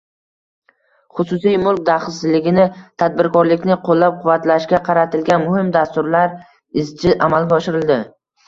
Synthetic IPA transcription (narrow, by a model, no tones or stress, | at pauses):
χʊsʊsijmʊlˠk̚ʲd̪aχɪsɪzlɪɡʲɪnɪt̪ʰad̪̚bɪɾkʰɒɾlɪkʲnɪqʰolˠːap̚qʰʊvːat̪laʃkʲaqʰɑɾat̪ʰɪlɡʲanmʊhɪmd̪ast̪ʊɾlaɾ | ɪzt͡ʃʰɪʔamalˠɡʲaɒʃɪɾɪld̪ɪ